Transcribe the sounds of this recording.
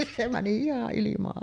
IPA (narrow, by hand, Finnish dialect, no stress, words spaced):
se mæni ihɑʔ ʔilimɑʔ